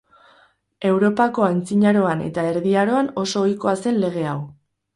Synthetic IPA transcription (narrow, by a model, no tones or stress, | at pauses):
e̞wɾo̞pako̞ant͡siɲaɾo̞ane̞̰t̪ae̞ɾðiaɾo̞ano̞so̞ːjko̞ase̞nle̞ɣ̞e̞aw